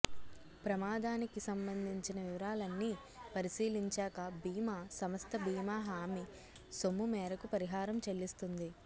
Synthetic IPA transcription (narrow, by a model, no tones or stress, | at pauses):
pɾɐmaːd̪aːnikisɐmbɐnd̪ʱiɲt͡ʃinɐʋiʋɐɾaːlɐnːi | pɐɾisiːliɲt͡ʃaːkɐbiːmaːsɐmɐst̪ʰɐbiːmaːɦaːmi | somːumɛːɾɐkupɐɾiɦaːɾɐmt͡ʃelːist̪und̪i